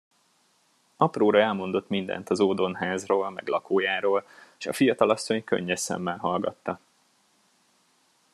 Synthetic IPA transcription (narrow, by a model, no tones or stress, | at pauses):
ɒproːɾɒɛlmo̞nd̪o̞t̪mind̪ɛ̰nt̪ɒzoːd̪o̞nɦaːzroːlmɛ̰ɡlɒkoːjaːɾoːlʃɒ̰fijɒt̪ɒlɒsːo̞ɲkø̰ɲːɛsɛ̰mːɛnɦɒlɡɒt̪ːɒ